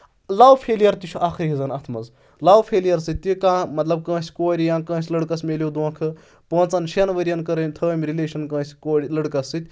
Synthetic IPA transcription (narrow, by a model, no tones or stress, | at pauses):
laːwpʰeːlijɐɾt̪it͡ʃʰuʔaːxʰɨɾɦizɐnɐt̪ʰmɐz | laːwpʰeːlijɐɾsɨt̪̚ʲt̪ːikãːmɐt̪lɐb̚kə̃ːsʲkoːɾʲijãːkɐ̃ːsʲlɐɽkɐsmʲelʲjod̪uːkʰɨ | pə̃ːt͡sɐnʃiɐnʋɐɾʲijɐnkɐɾɐmʲt̪ʰəmʲɾileːʃɐnkɐ̃ːsʲkoːɾʲilɐɽkɐsːɨt̪ʲ